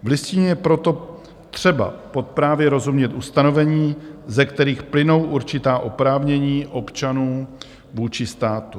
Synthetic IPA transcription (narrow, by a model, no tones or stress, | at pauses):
vlɪsciɲɛjɛpɾo̞t̪o̞ | t̪r̝̥ɛba̰po̞t̪̚pɾaːvjɛɾo̞zumɲɛt̪ʔust̪ano̞vɛɲiːzɛkt̪ɛɾiːxplɪno̞wʔuɾt͡ʃɪt̪aːʔo̞pɾaːvɲɛɲiːʔo̞pt͡ʃanuː | vuːt͡ʃɪst̪aːt̪u